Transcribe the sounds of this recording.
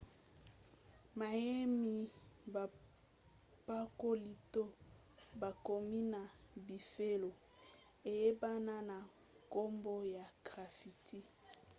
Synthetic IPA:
ma˨je˦mi˦ba˨ | pa˦ko˦li˨to˦ | ba˨ko˨mi˦na˨bi˨fe˦lo˨ | e˨je˦ba˦na˦na˨ | ko˦mbo˦ja˨ɡ̥ʁa˨fi˨tʰi˦

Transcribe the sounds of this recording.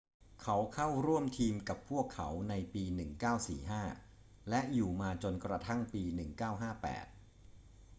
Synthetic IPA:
kʰa˦˥wkʰa˥˩wɾu˥˩əmt̪ʰiː˧mka˨˩pʰːu˥˩əkʰːa˦˥wna˧jpiː˧nɯ˨˩ŋkaː˥˩wsḭː˨˩ɦaː˥˩ | lɛ˦˥ʔjuː˨˩maː˧t͡ɕo˧nkɾa˧t̪ʰa˥˩ŋpiː˧nɯ˨˩ŋkaː˥˩wɦaː˥˩pɛ̰ː˨˩t̪̚

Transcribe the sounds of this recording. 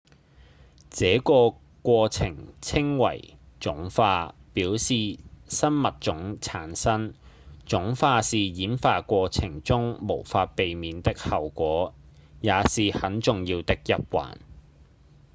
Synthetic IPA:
t͡sɛː˨˥kɔː˧ | kʷɔː˧t͡sʰɪ̰˨˩ŋt͡sʰɪ˥ŋwɐ̰˨˩jt͡sʊ˨˥ŋfaː˧piː˨˥wsiː˨sɐ˥nmɐ˨t̚t͡ʃʊ˨˥ŋt͡sʰaː˨˥nsɐ˥nt͡ʃʊ˨˥ŋfaː˧siː˨jiː˨˥nfaː˧kʷɔː˧t͡sʰɪ˨˩ŋt͡sʊ˥ŋmo˨˩wfaː˧t̚pe˨jmiː˨˧nt̪ɪ˥k̚hɐ˨wkʷɔː˨˥ | jaː˨˧siː˨hɐ˨˥nt͡sʊ˨ŋjiː˧wt̪ɪ˥k̚jɐ˨˥p̚wa̰ː˨˩n

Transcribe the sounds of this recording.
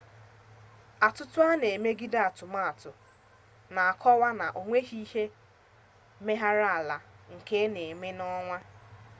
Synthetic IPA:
a˨tʊ˦tʊ˦a˦ne˨me˦ɡi˦da˦˨a˨tʊ˨ma˦a˨tʊ˨ | na˨a˨kʰɔ˦wa˦na˨ʔo˨ŋʷe˦ɦi˦he˦ | me˦ɦa˦ɾa˦a˨la˨ŋ̩˨ke˦ne˨me˦nɔ˦ŋʷa˦

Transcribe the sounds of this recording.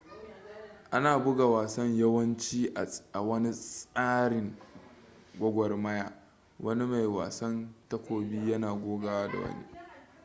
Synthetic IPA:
ʔa˦naː˨bʊ˦ɡa˨waː˨sɐ˦ɲjɐ˦wɐ˦nt͡ʃiː˦˨ʔa˨wɐ˦ni˦ssʼaː˦ɽɪ˨ŋ | ɡʷɐ˦ɡʷɔ˨rmɐ˦jaː˨ | wʔɐ˦ni˦ma˨jwa̰ː˨sɐ˦ntɐ˦kʷoː˨biː˦jɐ˦naː˨ɡʷoː˦ɡa˦waː˦da̰˨wɐ̰˦nḭ˦

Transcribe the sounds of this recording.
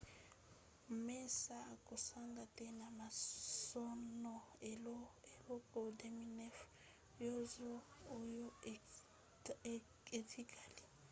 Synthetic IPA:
m̩mɛ˦sakʼʊ˨saŋɡatʼɛ˦namasɔ˦nɔɛlɔɛlɔ˦kʼɔ˨deminɛ˦f | jɔ˦zɔː˦jɔ˦ | etʰi˦kʼaː˨li˨

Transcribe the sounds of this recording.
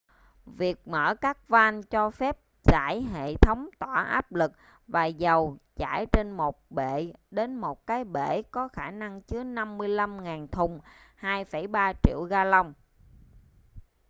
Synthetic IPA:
vi˨˩ək̚mə̰ː˧˩kaː˦˥k̚vaː˧nt͡ɕɔ˧fɛ˦˥p̚ | za̰ː˧˩˨jɦḛ˧˨t̪ʰə˨˦wŋ͡mt̪waː˧˩ʔa̰ː˦˥p̚lɨ˨˩k̚ | vaː˨˩zə˨˩wt͡ɕa̰ː˧˩jt͡ɕe˧nmo˨˩t̚ɓe˧˨ɗe˨˦nmo˨˩t̚kaː˨˦jɓe˧˩kɔ˨˦xaː˧˩na˧ŋt͡ɕɨ˨˦əna˧mːɨ˧əjla˧mŋaː˨˩nt̪ʰʊ˨˩ŋ͡mhaː˧jfə˧˩jɓaː˧t͡ɕḭ˧˨əwɣaː˧lə˧wŋ͡m

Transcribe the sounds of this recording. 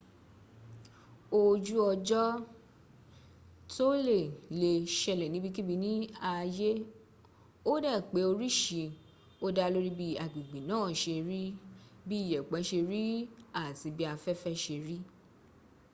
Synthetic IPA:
o˧d͡ʒu˦ɔ˧d͡ʒɔ˦ | to˦le˦˨le˧˨ʃɛ˧˨lɛ˨nĩ˨˦bi˦˧ki˦bi˧nĩ˦a˧je˦ | o˦dɛ˦˨k͡pe˨˦o˧ɾi˦ʃi˨˧ | o˦da˦lo˦ɾi˦bi˦a˨ɡ͡bi˨ɡ͡bi˨nãː˦˨ʃe˧ɾi˦ | bi˦˨jɛ˨k͡pɛ˨˦ʃe˧ɾi˦a˦˨ti˨˧bi˦a˧fɛ˦fɛ˦ʃe˧ɾi˦

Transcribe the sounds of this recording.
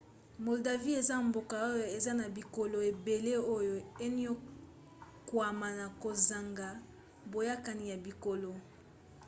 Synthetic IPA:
mo˨lda˨vi˦e˨za˦mbo˨ka˨o˦jo˨e˨za˦na˨bi˨ko˨lo˨e˨be˨le˦o˦jo˨e˦ni˦o˦ | kwa˨ma˨na˨ko˨za˨ŋɡa˨ | bo˨ja˦ka˨ni˨ja˨bi˨ko˨lo˨

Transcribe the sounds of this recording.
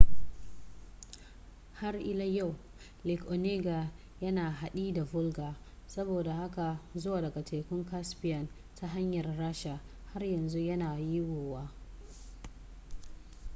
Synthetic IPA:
ha˦rʔɪ˦la˦ja˦˨w | lɪ˨kʔo˨neː˦ɡa˨ | jɐ˦naː˨ɦa˨ɗiː˦da˨bʊ˦lɡaː˨ | sɐ˦boː˨da˨ha˦ka˨zʊ˦waː˨dɐ˨ɡa˨tʰeː˨kʷʊ˦ŋka˦spɪ˦jɐ˨n | tʰa˦ɦa˦ɲjɐ˨rɽaː˦ʃa˨ha˦rjɐ˨nzu˦jɐ˦naː˨ji˦woː˨waː˦

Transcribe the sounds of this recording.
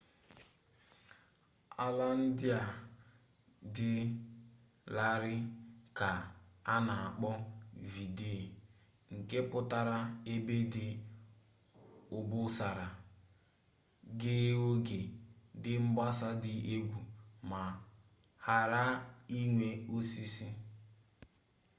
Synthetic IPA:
a˦la˦n̩˦dɪ˦a˨ | dɪ˦ | la˦ɾɪ˦ka˨a˦na˨a˨k͡pɔ˦vi˨de˦˨ | ŋ̩˨ke˦pʊ˦ta˦ɾa˦e˦be˦dɪ˦ | ʊ˨bʊ˦sa˨ɾa˨ | ɡɪ˦e˦wo˦ɡe˨dɪ˦ŋ͡m̩˦ba˦sa˦dɪ˦e˦ɡʷu˨ma˨ | ha˨ɾa˦i˦ŋʷe˦o˦si˦si˦

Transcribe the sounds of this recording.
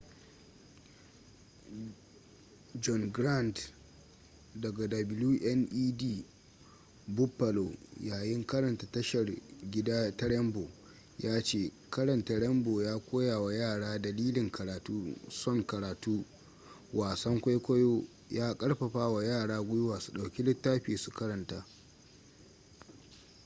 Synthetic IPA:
d͡ʒɔ˨ŋɡɾa˦˨nt | dɐ˨ɡa˨dɐ˨bɪ˨luː˦ʔɛ˦nʔiː˦diː˦˨ | bʊ˦pːa˨lo˨jaː˨jɪ˦ŋkɐ˦ɾɐ˨nta˨tɐ˦ʃɐ˨rɡʲɪ˦daː˦tɐ˦ɽɛ˦mbo˨ | jaː˦t͡ʃeː˦˨ | kɐ˦ɾɐ˨nta˨ɽɛ˦mboː˨jaː˦kʷoː˦jaː˨wa˨jaː˦˨ɽaː˦dɐ˨liː˦lɪ˨ŋkɐ˨ɾaː˨tuː˦sɔ˦˨ŋkɐ˨ɾaː˨tuː˦ | waː˨sɐ˦ŋkʷa˦jkʷɐ˦joː˦ | jaː˦kʼɐ˦ɽɸɐ˨ɸaː˦wa˨jaː˦˨ɽaː˦ɡʷʊ˦jʊ˦waː˨su˨ɗa˨wkʲi˦lɪ˦tːaː˦ɸiː˨su˨kɐ˦ɾɐ˨ntaː˦

